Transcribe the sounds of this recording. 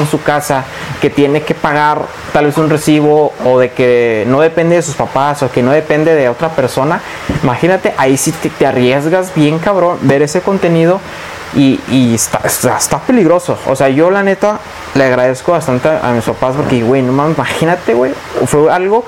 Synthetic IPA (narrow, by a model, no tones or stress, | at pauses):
nsukasa | ke̞t̪je̞ne̞ke̞paɣaɾ | t̪alβe̞sunre̞siβo̞ːðe̞keno̞ðe̞pend̪e̞ðesuspapasoke̞no̞ðe̞pe̞nd̪e̞ðeo̞t̪ɾape̞ɾso̞na | imaxinat̪e̞ʔaisit̪et̪earjezɣazbje̞ŋkaβɾo̞nbe̞ɾe̞se̞ko̞nt̪e̞nið̞o̞ | iiest̪aesest̪ape̞liɣɾo̞soo̰se̞aʝo̞lane̞t̪a | leaɣɾað̞e̞sko̞βast̪ant̪eaa̰mispapaspo̞ɾkeðiwejnomasimaxinat̪e̞ɣwej | fwealɣo̞